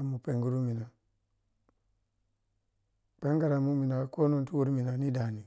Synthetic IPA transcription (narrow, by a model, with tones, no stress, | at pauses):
mu˨pe˨ŋɡu˦ɾu˦mi˨na˨ | k͡pe˦ŋɡa˨ɾa˨mu˦mi˨na˨ko˦no˦ntu˦wu˦ɾmi˨na˨ni˦da˨ni˨